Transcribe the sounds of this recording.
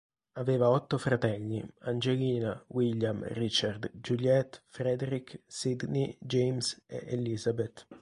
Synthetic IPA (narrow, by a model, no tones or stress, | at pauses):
aveːvaɔt̪ːofɾat̪ɛʎːiand͡ʒeliːnawilːjamrit͡ʃard̪d͡ʒuljɛt̪ːfɾed̪eɾiksid̪nid͡ʒejmsḛʔelizabet̪